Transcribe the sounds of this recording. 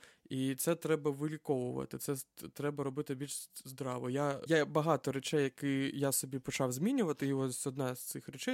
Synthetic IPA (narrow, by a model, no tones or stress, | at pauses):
it̪sɛt̪ɾɛbɐʋɪlʲikɔʋʊʋɐ̰t̪ɪt̪sɛt̪ɾɛbɐɾɔbɪt̪ɪbʲilʲʒzd̪ɾɑʋɔjajabɐɦɑt̪ɔɾet͡ʃɛjːɐkɪjasɔbʲipɔt͡ʃɑwzʲmʲinʲʊʋɐt̪ɪiɔssʲɔd̪nɑz̥t̪sɪxɾɛt͡ʃɛj